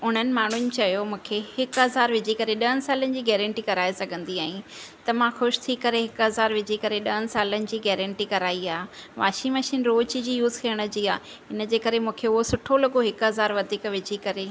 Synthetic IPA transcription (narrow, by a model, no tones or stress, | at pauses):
ʊn̤ənɪ̆maːɳ̤ʊnɪ̆t͡ɕɐjomũːkʰehɪkɦɐzaːɾʋɪd͡ʑʱikɐɾeɗɐɦənɪ̆saːlənɪ̆d͡ʑiːɡɛːɾə̃ɳʈikɐɾaːesɐɡʱə̃nd̪iaːɦĩt̪ɐmãxʊʃt̪ʰikɐɾeɦɪkɦɐzaːɾʋɪd͡ʑʱikɐɾeɗɐɦənɪ̆saːlənɪ̆d͡ʑiːɡɛːɾə̃ɳʈikɐɾaːiaːɦʋaːʃimɐʃiːnɾoːt͡ɕid͡ʑiːjuːzkʰɐːəɽ̃ə̆d͡ʑiːaː | ɪnə̆d͡ʑeːkɐɾemũːkʰeʊɦosʊʈʰolɐɠoɦɪkɦɐzaːɾʋɐd̪ʱiːkʋɪd͡ʑʱikɐɾeː